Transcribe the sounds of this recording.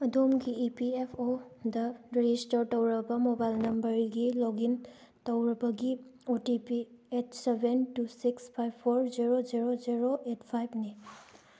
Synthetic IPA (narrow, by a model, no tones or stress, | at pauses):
ɐdomɡiːpiepʰodɐɾid͡ʒistɐɾtɐwɾɐbɐmobajlnɐmbɐɾɡilɔɡin | tɐwɾɐbɐɡiotipietsebʱentusikspʰajbpʰːoɾziɾoziɾoziɾoʔetpʰajbni